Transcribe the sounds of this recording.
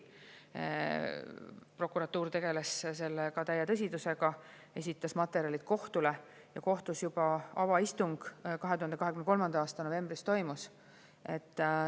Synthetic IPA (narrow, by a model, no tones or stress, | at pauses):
pro̞kuɾɑt̪ːuːɾt̪e̞ɡe̞lesse̞lːekɑt̪æjːet̪ɤs̬ʲid̪use̞ɡ̥ɑ | e̞sʲit̪ːˑɑsmɑt̪ːˑeɾiɑlit̪̚ko̞ht̪ule̞ | jɑko̞ht̪usjub̥ɑɑvɑist̪uŋɡ̥kɑɦe̞t̪uhɑnd̪eɑɦekymneko̞lmɑnd̪̥ɑɑːst̪ɑno̞ve̞mbrist̪o̞jmus | e̞t̪ː